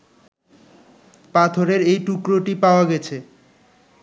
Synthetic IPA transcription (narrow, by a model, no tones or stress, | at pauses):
pat̪ʰoɾeɾejʈukɾoʈipaoaɡɛt͡ɕʰe